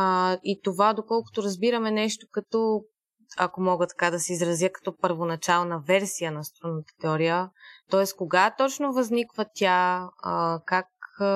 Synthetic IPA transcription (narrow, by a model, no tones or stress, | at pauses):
it̪ovad̪okɔlˠkʊ̥t̪oɾɐzbiɾɐmɛnɛʃt̪o̥kɐt̪ɔ | ɐ̰komɔɡət̪ɐ̥kad̪ɐsɛizɾɐzjəkɐ̥t̪ɔpəɾvonɐt͡ʃalˠnɐvɛɾsijənɐst̪ɾunət̪ə̥t̪ɛɔɾijət̪ɔɛskoɡat̪ɔt͡ʃnovɐznikvət̪ʲja | kak